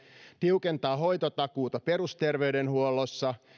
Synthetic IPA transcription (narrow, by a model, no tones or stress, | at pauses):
t̪iwkent̪ɑːɦo̞jt̪ot̪ɑkuːt̪ɑpe̞ɾust̪e̞rʋeyde̞nhuolosːɑ